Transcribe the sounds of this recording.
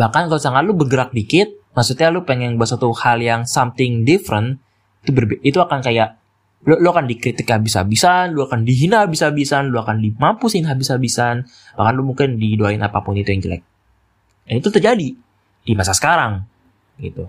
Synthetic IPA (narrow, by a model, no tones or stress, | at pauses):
bahkankalosaŋat̪̚lʊbərɡəɾak̚dikɪt̪̚masut̪̚ɲalʊpɛŋɛŋbas̬at̪uhaljaŋsamt̪ɪŋdifɾən | it̪ubərbit̪uakankajaʔ | loluakandikɾit̪ɪkhabisa̰bisanluakandiɦinahabisabisanluakandimampusɪnɦabisabisan | bahkanlʊmuŋkɪndidoaɪnapa̰pʊnit̪ujaŋd͡ʒəlɛ̰k̚ | ait̪ut̪ərd͡ʒadi | d̥imasasə̥kaɾaŋ | ɡḭt̪u